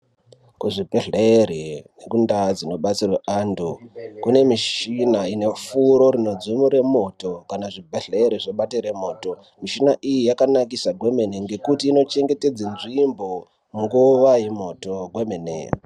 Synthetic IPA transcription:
kuʐibʱe̞ɮeɾinekundad͡zino̞ɓat͡sirweʔandukune̞miʃinaine̞fuɾo̞ɾino̞d͡zimuɾe̞mo̞to̞kanaʐibʱeɮeɾiʐoɓateɾemo̞ːto̞ | miʃinaʔijijakanak̬isaɡʱwe̞me̞neŋɡe̞kutiːno̞t͡ʃe̞ŋɡe̞te̞d͡zanʐimbo̞ | muŋɡuʋaje̞mo̞to̞ɡʱwemenḛ

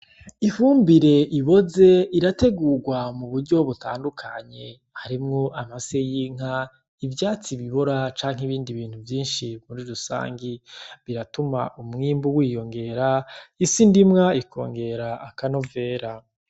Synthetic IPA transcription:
ifuːmbiɾe̞ʔiβo̞ze̞iɾate̞ɡuːɾɡwamuβuɾɟo̞βutaːndukʰaɲe̞ | haɾimŋo̞ʔamase̞jiːŋ̥a | ivjaːt͡siβiβo̞ɾat͡ʃaːŋ̥ɦiβiːndiβiːn̥huvjiːnʃimuɾiɾusa̰ːŋɡiβiɾatuma̰ʔumŋiːmbuwiːjo̞ŋɡe̞ɾaisindimŋaikʰo̞ːŋɡe̞ɾaːkano̞ve̞ːɾa

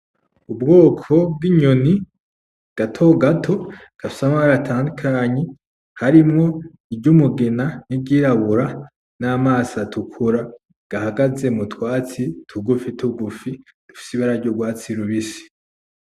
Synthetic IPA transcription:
ubɡo̞ːkʰo̞b̚ɡiɲoni | ɡ̥atʰo̞ɡatʰo̞ | ɡ̥afi̥samaaatʰaːndukʰaːɲe | haɾimŋo̞ | ibɟumuɡenaniɟiːɾaβuɾa | namaːsatʰukʰuɾa | ɡ̥ahaɡaze̞mutwaːt͡sitʰuɡufitʰuɡufi | d̥ufi̥siβaɾaɾɟoɡwaːt͡siɾuβisi̥

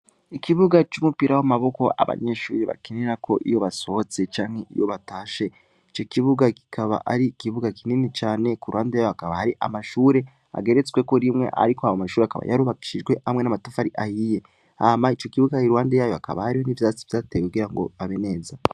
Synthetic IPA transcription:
ikiβuɡat͡ʃumupiɾawamaβo̞ko̞ʔa̰βa̰ɲe̞ʃuːɾiβa̰keneɾakʰo̞ʔḭjo̞βaso̞ot͡se̞t͡ʃaːŋhe̞ḭjo̞βataːʃe̞ | it͡ʃo̞kiβuɡaki̥kʰaβa̰ʔaɾikiβuɡakʰininit͡ʃaːne̞kuɾuhaːndejaːjoakaβahaɾiʔa̰maʃuːɾe̞ | a̰ɡe̞ɾet͡swe̞koɾimŋe̞̰ʔa̰ɾikohaβamaʃuːɾaka̰βa̰jaɾuβakiʃiʒɡwe̞hamŋe̞namatofaɾiʔahije̞ | amait͡ʃo̞kiβuɡaiɾuhaːndejaːjoaka̰βa̰haɾihoniβvjaːt͡siv̥jaːtekuɡiɾaŋɡo̞̰βaβene̞za

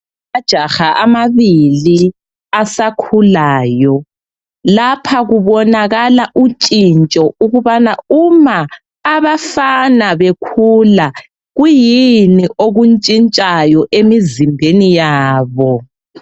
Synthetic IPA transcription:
ad̥ʒ̥ʱaxaʔamaβili | asakʰulaːjɔ | lapʰaɣuβɔnaɣalaʔut͡ʃʼint͡ʃʼɔuɣuβanaumaː | βafanaβekʰuːla | ɣujiniʔoɣunt͡ʃʼint͡ʃʼajɔʔemizimbʱenijaːβɔ

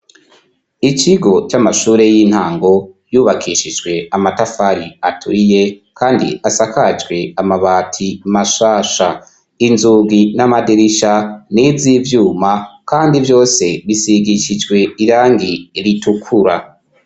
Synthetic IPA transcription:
it͡ʃiɡo̞t͡ʃamaʃuːɾe̞jin̥haːŋɡo̞juːβakʰiʃid͡ʒɡwe̞amatafaɾiatʰuije̞kʰaːndḭasakad͡ʒɡwe̞amaβaːtʰimaʃaːʃa | inzuːɡinamadiɾiʃanizivjuːmakaːndivjo̞ːse̞βisiɡiʃid͡ʒɡwe̞iɾaːŋɡiɾitukʰuɾa

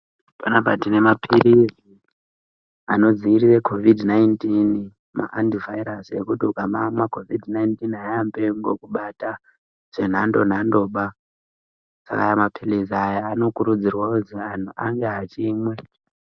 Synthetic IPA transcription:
panapatine̞mapʰilizi | ano̞d͡ziːriʋe̞kʰo̞vidʱnaintin | mʔa̰ʔandivaiɾase̞̰kutukamamako̞vidʱnaintinajambeŋɡo̞kuɓata | ʐ̥e̞n̤ando̞n̤ando̞ːɓa | sa̰kamapʰiliziajaːno̞kuɾud͡zirwauzian̤uʔaŋɡeɦat͡ʃiːmwe̞

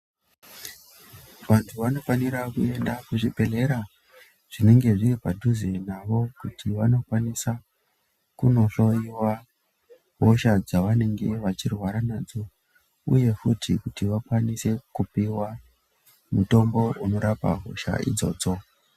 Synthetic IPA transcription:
ʋantʰuʋano̞faniɾakue̞ndakuʐibʱe̞le̞ɾa | ʐ̥ine̞ŋɡe̞ʐiripadʱuzenaʋo̞kutʰiʋano̞kwanisa | kuno̞ɬo̞jiwa | ɦo̞ʃad͡zaʋane̞ŋɡe̞ʋat͡ʃirwaɾanaːd͡zo̞ | ṵje̞futʰikutiʋakwanise̞kupiwa | muto̞mbo̞uno̞ɾapa̰ɦo̞̰ʃa̰ʔḭd͡zo̞ːd͡zo̞

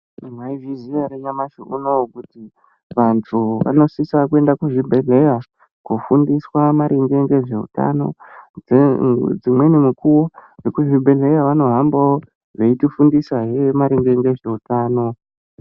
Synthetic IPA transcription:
maiviziaɾeɲamaʃo̰unokuti | ʋantʰuʋa̰no̞sisakue̞ndakuʐibʱe̞ɮe̞ɾa | kufundiswamaɾiŋɡeŋɡe̞ʐe̞ṵta̰no̞̰ | d͡zimwe̞nimukuwo̞ʐekuʐibʱe̞ɮe̞jaʋano̞ɦambo | ʋeitifundisaɦemaɾiŋɡe̞ŋɡe̞ʐe̞utaːno̞

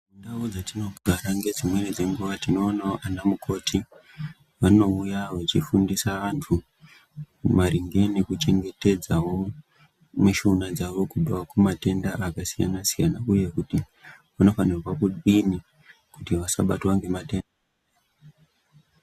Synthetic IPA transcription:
ndawod͡zatino̞ɡʱaɾaŋɡe̞d͡zimwe̞ned͡ze̞ŋɡuʋatino̞ːnaoʔanamukʰo̞ːtʰi | ʋano̞ujaʋat͡ʃifundisaʋantʰu | maɾiŋɡe̞nekut͡ʃe̞ŋɡe̞te̞d͡zawo̞ | meʃunad͡zaʋokubʱakumate̞ndaʔakasija̰nasijanauje̞kuti | ʋano̞fanirawakuɗini | kutiʋasa̰ɓatwaŋɡe̞mate̞ːnda

